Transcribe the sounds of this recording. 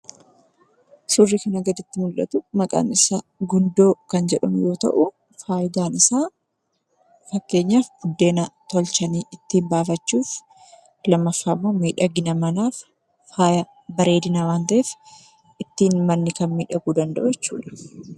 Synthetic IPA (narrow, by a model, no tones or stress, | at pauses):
sʊrːikɐnɐɡɐd͡ʒ̪ɪt̪ːɪmʊlʔɐ̰t̪ʊmɐkʼa̰ːnɪsaɡʊnd̪o̞ːkɐnd͡ʒɛᶑɐ̰mjo̞ːt̪ɐ̰ʔʊ | faːjd̪aːnɪsaː | fɐkːe̞ːɲːaːfɡʊd̪ːe̞ːnɐt̪ɔlt͡ʃɐniːʔɪt̪ːiːmbaːfɐt͡ʃːuːf | lɐmːɐfːaːmːo̞ːmiːᶑɐɡɪnɐmɐnaːf | aːjɐ | bɐɾe̞ːd̪ɪnawaːnt̪ɐʔeːf | ʔɪt̪ːiːnmɐnːɪkɐnmiːᶑɐɡuːd̪ɐnd̪ɐ̰ʔʊjɛt͡ʃːṵːᶑɐ̥